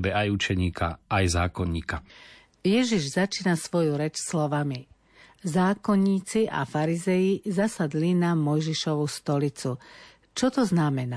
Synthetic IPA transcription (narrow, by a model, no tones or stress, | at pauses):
bɛajut͡ʃɛɲiːkʰa̰ajzaːkɔɲːḭːka | jɛʒiʒzat͡ʃiːnasʋɔjuɾɛt͡ʃslɔʋami | zaːkɔɲːiːt͡siʔa̰faɾizɛjizasad̪linamɔjʒiʃɔʋust̪ɔlit͡su | t͡ʃɔt̪ɔznamɛna